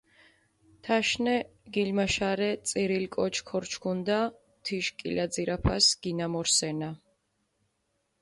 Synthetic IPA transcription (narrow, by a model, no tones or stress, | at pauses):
t̪ʰaʃnɛ | ɡilmaʃaɾɛt̪sʼiɾilkʼɔt͡ʃʰkʰɔɾt͡ʃʰkʰund̪a | t̪ʰiʃkʼḭlad̪ziɾapʰasɡ̥inamɔɾsɛna